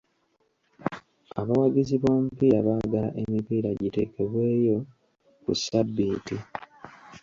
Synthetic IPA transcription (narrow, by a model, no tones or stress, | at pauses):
a̰βawaɟiziβoːmupiːaβaːɡala̰ʔe̞mipiːɾaɟite̞̰ːke̞βwe̞ːjo̞ | kṵsabːiːti